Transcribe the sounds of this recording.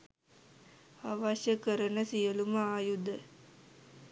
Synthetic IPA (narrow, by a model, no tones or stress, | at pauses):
aʋaɕjəkəɾənəsijəluməaːjud̪ə